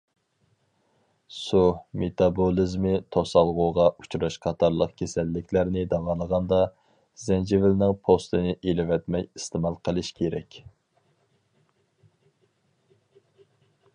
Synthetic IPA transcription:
sumet̪ʰɑbolˠizmɪt̪ʰosɑlˠʁuʁɑʔut͡ʃuɾɑʃqʰɑt̪ʰɑɾlˠəqkʲʰesɛlːɪkʲlæɾnɪd̪ɑwɑːlˠəʁɑnd̪ɑ | z̥ɛnd͡ʒevɪlnɪŋpʰost̪ɨnɪʔelɪvɛt̪mɛjist̪ɪmɑlˠqʰəlˠɨʃkʲʰeɾɛkʲ

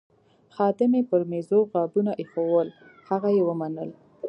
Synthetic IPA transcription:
xɑd̪ɪmepəɾmezoɣɑbunaʔexowəl | haɣajewəmanəl

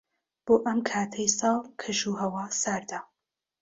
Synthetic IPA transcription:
b̥oːʔɐmkʰaːt̪ʰɐjsɑːlˠkʰɨʃuɦɐwɑːsaɾd̪a

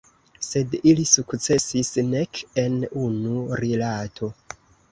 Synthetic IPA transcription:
se̞dilisukt͡se̞sisne̞ke̞nunuɾilatʰo̞

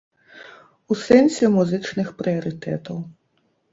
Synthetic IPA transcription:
usɛnsʲɛmuzɨt͡ʂnɨxpɾɨɐɾɨt̪ɛ̰t̪ɐw

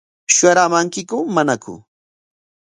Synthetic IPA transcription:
ʃʊaɾamaŋkɪkʊmanakʊ̰

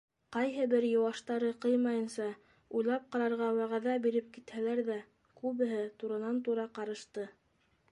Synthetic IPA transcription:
qɑjɦɤbɘɾjɤ̆wɑʃt̪ɑɾɤqɤjmɑjɤ̆nsɑ | ujlˠɑp̚qɑɾɑɾʁɑwæʁæðæbiɾɘp̚kit̪hælæɾðæ | kʉβɘ̆ɦɘt̪uɾɤ̆nɑnt̪uɾɑqɑɾɤ̆ʃt̪ɤ

